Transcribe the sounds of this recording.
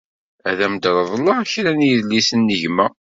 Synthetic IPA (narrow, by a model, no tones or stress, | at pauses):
æðæmd̪ɾˤəðˤlɑçɾænjðlːisənːəʝmæ